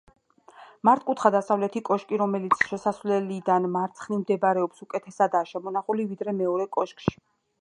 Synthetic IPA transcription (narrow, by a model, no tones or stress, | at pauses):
maɾt̪̚ʰkʼut̪ʰχad̪asavlɛt̪ʰikʼɔʃkʼiɾɔmɛlit̪sʰʃɛsasvlɛlid̪anmaɾt̪sʰχnimd̪ɛbaɾɛɔpsukʼɛt̪ʰɛsad̪aːʃɛmɔnaχulivid̪ɾɛmɛɔɾɛkʼɔʃkʼʃi̥